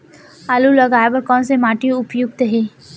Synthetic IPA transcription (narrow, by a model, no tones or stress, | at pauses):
aːlulɐɡaːjpəɾkɔ̃ːnsemaːʈijoʊpjʊɡ̚t̪ɦɛː